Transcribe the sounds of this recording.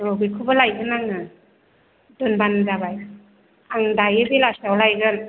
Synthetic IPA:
obikʰubalajɡɯnaŋɯ | dɔnbandabaj | aŋdajɯbilasawlajɡɯn

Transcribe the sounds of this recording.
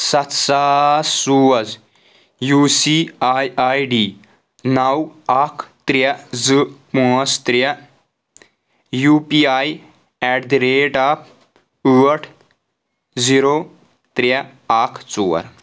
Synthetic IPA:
sɐt̪sasuɐz | juːsiajajɖiː | nɐwakʰt̪ɾɐd͡zɨpũəst̪ɾɐ | juːpiaj | ɛɖd̪ɾeːʈaːp̚ | uəʈʰ | d͡ziɾo | t̪ɾɐ | aːkʰt͡suːɐ̰ɾ

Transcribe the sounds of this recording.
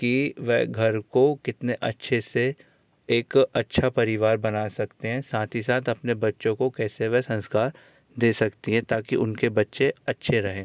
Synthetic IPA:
kiʋɛɦɡʱɐɾkokɪt̪neʔɐtːʃʰese | eːkɐtːʃʰapɐɾɪʋaːɾbɐnaːsɐkt̪eɦɛ̃saːt̪ʰisaːt̪ʰɐpnebɐtːʃõkokɛːseʋɛɦsɐ̃nskaːɾ | d̪eːsɐkt̪iɦɛ̃t̪aːkiʔʊnkebɐtːʃeɐtːʃʰeɾɐɦẽː

